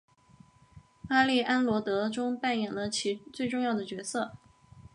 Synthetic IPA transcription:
pa˥li˥˩ʔa˥nlwɔ˧˥t̪ɤ˧˥ʈ͡ʂʊ˥ŋpa˥˩njɛ˨˩nlə˦t͡ɕʰi˧˥t͡swe˥˧ɪʈ͡ʂʊ˥˧ŋjɑ˥˩ʊd̪ə˩t͡ɕɥɛ˧˥sɤ˥˩

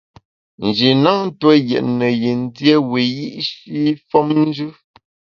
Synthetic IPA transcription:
n̩˨d͡ʒi˨na˦n̩˦tə˦jɛ̰˨ʔnə˨ji˨n˦dje˦we˨ji˦ʔʃi˦fɔ˦mn̩˦d͡ʒʉ˦

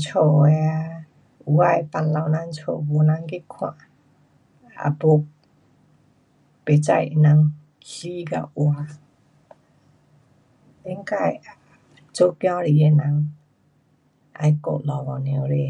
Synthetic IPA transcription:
t͡ʃʰo˨ɛ˧ | u˨a˧˨jpa˧nla˧˨wna˧˦ŋt͡ʃʰo˨bo˧˨na˧ŋki˦kʰã̰˧˨ʔ | a̰˨bo˧k̚ | pe˨t͡sa˧ji˧na˧ŋ | hi˦ɡa̰˧˨ʔwa˧ | i˦ŋka˧˨j | t͡so˦kjɔ̃˦ɾi˨e˧˨na˧ŋ | ʔa̰˧jko̰˧˨ʔlɔ˨wɔ˨ne˧wɾe˧˨

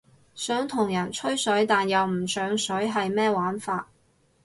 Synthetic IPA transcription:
sœː˨˥ŋt̪ʰʊ˨˩ŋjɐ˨˩nt͡ʃʰɵ˥ɥsɵ˨˥ɥt̪aː˨njɐ˨wm̩˨˩sœː˨˧ŋsɵ˨˥ɥɦɐ˨jmɛː˥waː˨˥nfaː˧t̚

